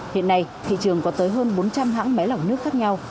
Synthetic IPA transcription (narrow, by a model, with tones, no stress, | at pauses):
hḭ˧˨ənːa˧jt̪ʰḭ˧˨t͡ɕɨ˨˩əŋkɔ˨˦t̪əː˨˦jɦəː˧nɓo˨˦nt͡ɕa˧mɦa̰ː˧˥ŋmɛ˨˦la˨˩wnɨ˦˥ək̚xaː˦˥k̚ɲa˧w